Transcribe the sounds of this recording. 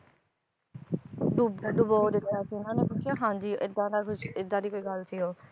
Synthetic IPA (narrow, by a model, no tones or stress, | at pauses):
dubd̪ʊboːd̪ɪt̪ːjaːsiːʊnãːneːpʊt͡ʃʰaːɦãːɲd͡ʒiːʔɪd̪ãːd̪aːkʰʊt͡ʃɪd̪ːãːd̪iːkoːiːɡəlsiːɦoː